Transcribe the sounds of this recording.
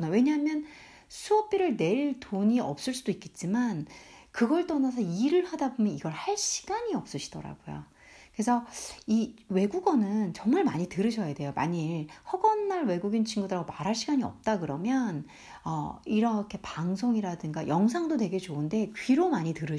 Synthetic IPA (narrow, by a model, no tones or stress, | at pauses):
nawe̞ɲaɦamjʌn | sʰuʌp͈ʰiɾɯɭne̞ɭtʰoɲiʌp̚s͈ɯɭs͈udoik͈e̞t̚t͡ɕ͈imankɯɡʌɭt͈ʌnas̬ʰʌiɾɯɭɸadabomjʌniɡʌɭhaɭɕʰi̥ɡ̥aɲiʌp̚s͈ɯɕʰi̥d̥ʌɾa̰ɡojo̰ | kɯe̞sʰʌiwe̞ɡuɡʌnɯnt͡ɕʌŋmaɭmaɲitɯɾɯɕʰʌjade̞joma̰ɲihʌɡʌnːaɭwe̞ɡuɡint͡ɕʰiŋɡudɯɾaɡomaɾɦaɭɕʰiɡaɲiʌ̰p̚t͈akɯɾʌmjʌn | ʌ̰iɾʌkʰe̞paŋs̬ʰoŋiɾadɯŋɡajʌŋs̬ʰaŋdodwe̞ɡe̞t͡ɕoɯnde̞kɥiɾomaɲitɯɾɯ